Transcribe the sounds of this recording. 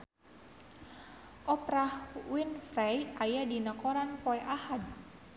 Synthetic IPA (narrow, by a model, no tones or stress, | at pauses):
ʔɔpɾahwinfrajajadinəkɔɾanpɔɛʔahad̪̚